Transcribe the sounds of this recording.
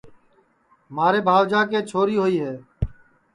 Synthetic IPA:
maːɾeːbʱaːʋd͡ʒaːkeːt͡ʃʰoːɾiːɦoːiːɦɛː

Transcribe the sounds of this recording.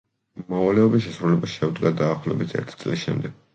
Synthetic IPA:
mɔvalɛɔbisʃɛsɾulɛbasʃɛud̪ɡad̪aːχlɔbit̪ʰɛ̰ɾt̪ʰi̥t̪sʼlisʃɛ̰md̪ɛɡ̥̚

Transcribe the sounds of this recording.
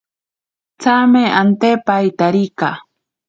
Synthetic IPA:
t͡sameant̪epajt̪aɾika

